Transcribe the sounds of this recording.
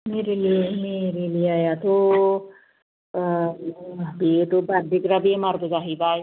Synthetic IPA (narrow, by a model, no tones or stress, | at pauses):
meːɾeliemeɾelijeajat̪o | biet̪obaɾd̪ikɾabiemaɾd̪uzaɦibaːj